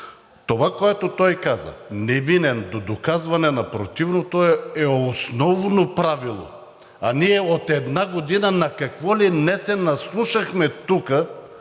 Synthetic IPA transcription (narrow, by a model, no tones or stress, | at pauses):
t̪ovakoɛt̪ot̪ɔjkazɐ̰nɛvinɛnd̪od̪okazvanɛnapɾot̪ivnot̪oɛosnɔvnopɾavilˠo̰ | aniɛot̪ɛd̪naɡod̪inanakakvɔlinɛsɛnaslˠuʃaxmɛt̪ukə